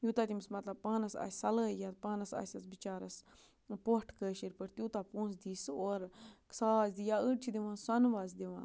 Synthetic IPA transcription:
juːt̪at̪imsmɐt̪lɐb̚paːnɐsa̰ːsɐləjat̪paːnɐsa̰ːsɐsbit͡ʃaːɾɐs | poʈʰkəːʃiɾpɨɾt̪uːt̪aːpũːnsd̪iːsoːɾksaːzd̪ijaːəʈ̚t͡ʃʰid̪iʋãːnsɐnʋaːzd̪iʋã̰ː

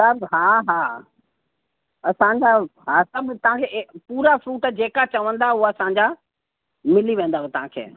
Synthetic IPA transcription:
sɐɾɦaːɦaː | ɐsãɲd͡ʑaɦasɐbʱt̪ɐʋ̤ãkʰeːpuːɾafɾuːʈd͡ʑeːkat͡ɕɐʋə̃nd̪auɐsãɲd͡ʑa | mɪliʋẽːnd̪aɦet̪ɐɦãkʰḛː

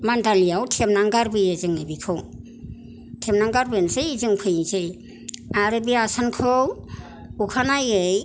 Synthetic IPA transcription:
mandalijawtʰemnaŋɡaɾbɯjezɯŋebikʰɯw | tʰemnaŋɡaɾbɯnsɯjzɯŋpʰɯjzɯj | aɾɯbiaasankʰɯw | ukʰanajɯj

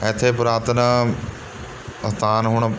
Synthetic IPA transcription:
ɛːt̪ʰːeːpʊɾaːt̪əna | ət̪aːnɦʊɳ̃

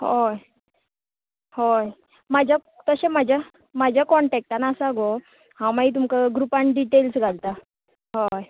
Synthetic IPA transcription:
hoj | hoj | mad͡ʑʱa | t̪əɕemad͡ʑʱa | mad͡ʑʱjakɔɳʈɛk̚ʈanaːsaɡo | hãmaiːt̪̬umkaɡɾupãɳɖiʈelsɡʱalt̪a | ɦoj

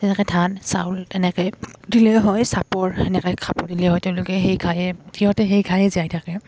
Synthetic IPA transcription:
tɛnɛkɛtʰansa̰wlɛnɛkɔjdilɛɦɔjsapɔɹɛnɛkɔkʰapɔɹdilɛɦɔjtɛʊ̃lʊkɛxejɡʰʱajɛkʰiɦɔtɛxejɡʰʱajɛziajtʰakɛ

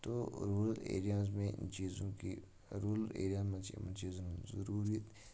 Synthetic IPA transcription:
t̪oːɾuːllḛːɾijaːzmẽɪ̰nt͡ʃiːzõkḭ | ɾuːllḛːɾijaːzmẽt͡ʃimnt͡ʃiːzõzɐɾuːɾi

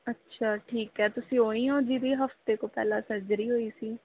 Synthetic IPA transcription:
ətːʃʰaːʈʰiːkɦɛːt̪ʊsĩːoːĩːõːd͡ʒiːd̪iːɦəft̪eːkoːpɛ̰ːlãːsəɾd͡ʒɾiːɦoːiːsiː

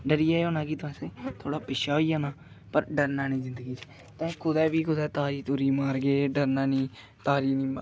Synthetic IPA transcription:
ɖəɾɪjaːeoːnãːkiːt̪ʊɛ̃ːseːt̪ʰoːɽaːpɪʃaːoiːaːnaː | pəɾɖəɾnaːniːzɪnd̪əɡiːt͡ʃ | t̪ɛ̃ːkʰʊd̪ɛːʋiːkʰʊd̪ɛːt̪aːɾiːt̪ʊɾiːmaːɾɡeːɖəɾnaːniː | t̪aːɾiːniːmː

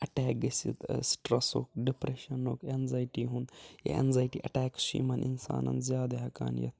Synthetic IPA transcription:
ɐʈɛːk̚ɡɐsḭt̪sʈɾɐsho̰ːk̚ɖipɾeʃɐnoːkeːnzaːjʈiːɦũnd̪jḛḛnzaːjʈiːʔɐʈɛːkʃḭːmɐninsa̰ːnɐ̰nzjaːd̪eɦɐka̰ːnjɐ̰t̪̚

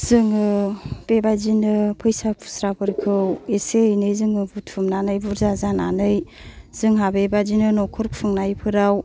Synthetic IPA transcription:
zɯŋɯb̥ebazinɯpʰɯjsapʰu̥sɾabɯɾkʰɯweseɯjnɯjzɯŋɯbutʰumnanɯjbuɾzazananɯjzɯŋɦabebazinɯnɔkʰɔɾkpʰɯŋnajpʰɯɾaw

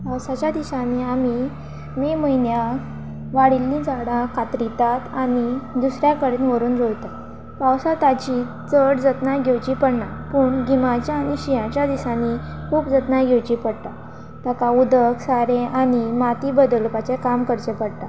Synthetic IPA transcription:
pawsat͡ɕjad̪isaniːami | miːməjnja | ʋaɽilːĩd͡zaɽãkʰat̪ɾit̪at̪anid̪usɾjakəɾiːnʋəɾuːnd͡zoɭt̪a | pawsat̪at͡ɕiː | t͡səɽd͡zət̪naɡʱewt͡ɕiːpəɽnapuːɳɡimat͡ɕjaːɽ̃iɕijãt͡ɕjad̪isani | kʰuːpd͡zət̪najɡʱewt͡ɕiːpəɽt̪a | t̪akaud̪əksaɾẽʔañimat̪iːbəd̪əlpat͡ɕekamkəɾt͡ɕepəɽt̪a

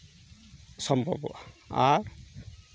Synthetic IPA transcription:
sʌmbʱɔbɔ̰aɾ

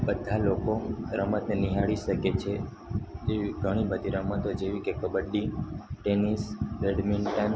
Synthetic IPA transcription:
bəd̪ʱːalokoɾəmət̪neniɦaɭiʃəket͡ʃʰe | eʋiɡʱəɽ̃ibəd̪ʱiɾəmət̪od͡ʒeʋikekəbəɖːiʈenisɾeɖminʈən

